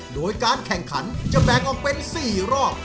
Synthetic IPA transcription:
doː˧jkaː˧nkʰɛ˨˩ŋkʰa̰˩˦˥nt͡ɕa˧˨bɛː˨˩ŋʔɔː˨˩k̚pe˧nsiː˨˩ɾɔː˥˩k̚

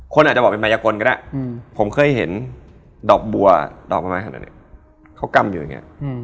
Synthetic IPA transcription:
kʰo˧nʔa˨˩t̚t͡ɕbɔː˨˩pe˧ma˧jaː˧koː˧nka˧na̰˦˧˩pʰo˩˦mkʰɤː˧˩jɦe˩˦n | dɔː˨˩k̚bu˧ɐdɔ̰ː˨˩k̚ma˧maː˧nka˧na̰˧˩nḭ˧˩ | kʰa˦˥˩wka˧mjuː˨˩˨ŋḭ˦˥˧

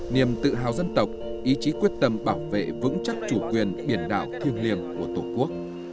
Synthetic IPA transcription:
ni˨˩əmt̪ɨ̰˧˨ɦa̰ː˧˨wzə˧nt̪ə˨˩wk͡p̚ʔi˨˦t͡ɕi˨˦kwi˦˥ət̚t̪ə˧mɓaː˧˩wvḛ˧˨vɨ̰˧˥ŋt͡ɕa˦˥k̚t͡ɕu˧˩kwi˨˩ənɓi˧˩ənɗa̰ː˧˨wt̪ʰi˧ənli˧əmku˧˩ət̪o˧˩ku˦˥ək̚

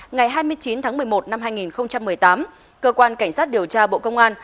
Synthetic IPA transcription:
ŋa˨˩jɦaː˧jmɨ˧əjt͡ɕi˨˦nt̪ʰaː˨˦ŋmɨ˨˩əjmo˨˩t̚na˧mɦaː˧jŋi˨˩nxə˧wŋ͡mt͡ɕa˧mːɨ˨˩əjt̪aː˨˦m | kəː˧kwaː˧nka˧˩jŋ̟sa˦˥t̚ɗi˨˩əwt͡ɕaː˧ɓo̰˧˨kə˧wŋ͡mʔaː˧n

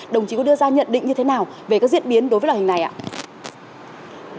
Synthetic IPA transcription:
ɗə˨˩wŋ͡mt͡ɕi˨˦kɔ˨˦ɗɨ˧əzaː˧ɲə̰˧˨nɗḭ̈˧˨ŋ̟ɲɨ˧t̪ʰe˨˦naː˨˩wve˨˩kaː˨˦˥k̚zi˦˥t̚ɓi˨˦nɗo˨˦vəː˨˦la˨˩˨i˨˩na˨˩jʔa̰ː˧˨

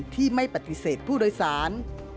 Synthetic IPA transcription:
t̪ʰiː˥˩ma˥˩jpa˨˧˩t̪i˧seː˨˩t̪̚pʰuː˥˩doː˧jsaː˩˦n

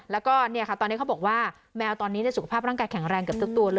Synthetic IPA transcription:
lɛː˦˥wkɔː˥˩ni˥˩ɐkʰa˥˩t̪ɔː˧niː˦˥kʰbɔː˨˩k̚waː˥˩ | mɛː˧wt̪ɔː˧nːiː˦˥ni˥˩su˨˩kʰa˧˩pʰaː˥˩pɾa˥˩kaː˧jkʰɛ˨˩˦ŋɾɛː˧ŋka˨˩p̚t̪ɯ˥˩k̚t̪u˧ɐlɤː˧

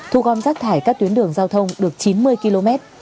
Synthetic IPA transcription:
t̪ʰu˧ɣɔ˧nzaː˦˥k̚t̪ʰaː˧˩jkaː˦˥k̚t̪wi˨˦ənɗɨ˨˩əŋzaː˧wt̪ʰə˧wŋ͡mɗɨ˨˩ək̚t͡ɕi˨˦nmɨ˧əjki˧lo˧mɛ˦˥t̚

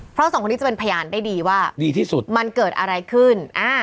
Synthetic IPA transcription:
pʰɾɔ˦˥sɔ˨˦kʰːni˦˥t͡ɕa˨˩pe˧npʰa˧jaː˧nda˥˩jdiː˧waː˥˩diː˧t̪ʰiː˥˩su˨˩t̪ma˧nkɤː˨˩t̪̚ʔa̰˧ɾa˧jkʰɯ˥˩nʔaː˧˩

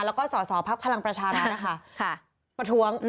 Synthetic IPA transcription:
lɛː˦˥wkɔː˥˩sɔː˩˦sɔː˩˦pʰa˦˥k̚pʰa˧la˧ŋpɾa˧t͡ɕʰaː˧ɾaa˦˥ʔa˧˦˩kʰa˥˩kʰ | pɾa˧t̪ʰuː˦˥əŋn

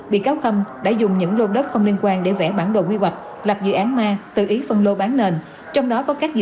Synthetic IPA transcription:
ɓḭ˧˨kaː˨˦wxə˧mɗa̰ː˧˥zʊ˨˩ŋ͡mɲɨ̰˧˥ŋlo˧ɗə˦˥t̚xə˧wŋ͡mli˧ənkwaː˧nɗe˧˩vɛ˧˩ɓaː˧˩nɗo̰˧˨˩kwi˧ɦwa˨˩jk̟̚ | la˨˩p̚zɨ̰˧˨ʔaː˨˦nmaː˧t̪ɨ̰˨˩ʔi˨˦fə˧nlo˧ɓaː˨˦nneː˧n | t͡ɕɔ˧wŋ͡mɗɔ˨˦kɔ˨˦kaː˦˥k̚zɨ̰˧

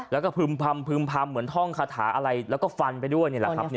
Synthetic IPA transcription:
lɛː˦˥wkɔː˥˩pʰɯː˧mpʰa˧mpʰɯː˧mpʰa˧mːɯ˩˦ənt̪ʰɔ˥˩ŋkʰaː˧t̪ʰa̰ː˩˦ʔa˧ɾa˧jlɛ˦˥wkɔː˥˩fa˧npa˧jdu˥˩əjni˥˩l̰a˦ni˥˩˨

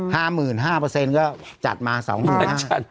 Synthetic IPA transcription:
haː˥˩mɯː˨˩nɦaː˥˩pɤː˧se˧nkɔː˥˩t͡ɕa̰˨˩t̪̚maː˧sɔ̰ː˩˦ŋmɯː˨˩˧nɦaː˥˩a˦˧

